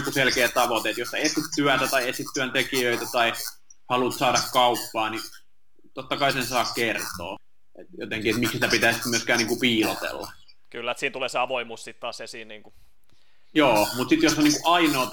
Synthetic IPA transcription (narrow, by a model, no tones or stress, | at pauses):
kuselkeːt̪ɑʋot̪eːt̪joseet̪sit̪t̪yæt̪æt̪ɑiet̪sit̪t̪ːyænt̪ekijøit̪æt̪ɑi | hɑlut̪sɑːdɑkkɑupːɑːni | t̪ot̪ːɑkɑisensɑːkkert̪o̰ː | et̪jo̰t̪eŋkiet̪miksit̪æpit̪æˑisit̪myøskæːniːŋkupiːlot̪ḛlːɑ | kylːæt̪siːnt̪uleːseɑʋoimuːssit̪t̪ɑːsesiːnniːŋku | joːmut̪sit̪josːɑniːŋkuʔʔɑinoː